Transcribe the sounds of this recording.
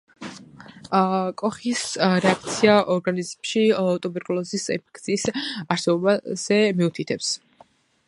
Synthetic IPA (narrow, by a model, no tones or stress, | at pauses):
kʼɔχisɾɛak̚ʰt̪sʰiaʔɔɾɡanizmʃiat̪ʼɔbɛɾkʼulˠɔzisɛ̰pʰɛ̥kʰt̪sʰiːsaɾsɛbɔbaz̥ɛmiut̪ʰit̪ʰɛps